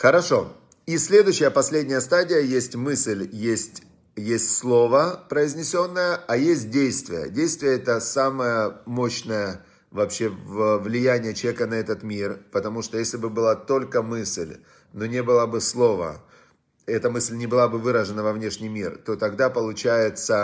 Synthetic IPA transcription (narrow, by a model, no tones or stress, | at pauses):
xəɾɐʂo̞ | isʲlʲe̞d̪ʊɕːɪjəpɐsʲlʲedʲnʲɪjəst̪adʲɪjəjesʲtʲmɨsʲlʲjesʲtʲ | jesʲtʲslˠo̞vəpɾəɪzʲnʲɪsʲo̞nːəjəajesʲt̚ʲdʲejst̪vʲɪjə̰dʲejst̪vʲɪjəɛt̪əsaməjəmo̞ɕnəjə | vɐpɕːe̞vəvlʲɪjænʲɪjət͡ɕɪeɛkənɐɛt̪ət̪mʲirpət̪ɐmuʂt̪ojesʲlʲɪbɨbɨlˠat̪o̞lʲkəmɨsʲlʲ | nonʲebɨlˠabɨslˠo̞və̰ | ɛt̪əmɨsʲlʲnʲɪbɨlˠabɨvɨɾəʐɨnəvɐvnʲeʂnʲɪjmʲirt̪o̞t̪ɐɡd̪apəlˠʊt͡ɕæjɪt̪sə